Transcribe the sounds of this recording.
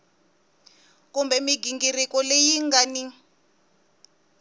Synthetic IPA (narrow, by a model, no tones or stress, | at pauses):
kumbɛmiɡiŋɡirikɔlejiŋɡani